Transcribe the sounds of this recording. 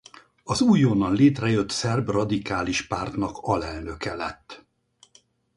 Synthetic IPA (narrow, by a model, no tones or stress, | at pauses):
ɒzuːjːoːnɒnleːt̪rɛjøt̪sɛrbrɒd̪ikaːliʃpaːrt̪nɒkɒlɛlnø̞kɛlɛt̪ː